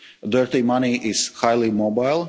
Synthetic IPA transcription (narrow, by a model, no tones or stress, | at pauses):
d̪ɜɹtimaniʔɪz̥haɪlˠimobaɪlˠ